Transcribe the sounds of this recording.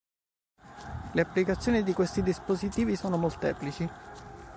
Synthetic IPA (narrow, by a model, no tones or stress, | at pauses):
leapːlikat̪sːjoːnid̪ikwest̪id̪ispozit̪iːvisoːnomolt̪ɛ̰ːplit͡ʃi